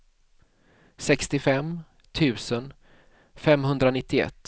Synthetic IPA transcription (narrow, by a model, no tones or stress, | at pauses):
sɛkst̪ɪfɛm | t̪ʰʉ̟ːsən | fɛmɦɵnd̪ɾanɪt̪ːɪɛ̰t̪ː